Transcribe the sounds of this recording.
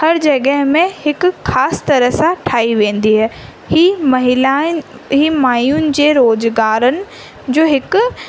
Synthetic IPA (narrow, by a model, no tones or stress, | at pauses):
hɐɾd͡ʑɐɠəɦmẽhɪkʊ̆xaːsɪ̥t̪ɐɾəɦsãʈʰaːiʋẽːn̆d̪iɦɛ | himɐɦɪlaɦiːmaːjunɪ̆d͡ʑeːɾoːzɡaːɾənɪ̆ | d͡ʑoːɦɪkʊ